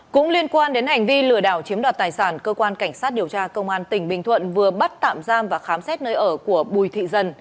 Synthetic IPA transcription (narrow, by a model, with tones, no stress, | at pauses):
kʊ̰˧˥ŋ͡mli˧ənkwaː˧nɗe˨˦nha˨˩jŋ̟vi˧lɨ˧˩əɗa̰ː˧˩wt͡ɕi˨˦mɗaː˨˩t̚t̪aː˨˩jsaː˧˩nkəː˧kwaː˧nka˧˩jŋ̟saː˦˥t̚ɗi˨˩əwt͡ɕaː˧kə˧wŋ͡mʔaː˧nt̪ï˧˩ŋ̟ɓï˨˩ŋt̪ʰwə̰˧˨nvɨ˨˩əɓə˦˥t̚t̪a̰ː˧˨mzaː˧mvaː˨˩xaː˨˦msɛ˦˥t̚nəː˧jʔəː˧˩ku˧˩əɓu˨˩jt̪ʰḭ˧˨zə˧n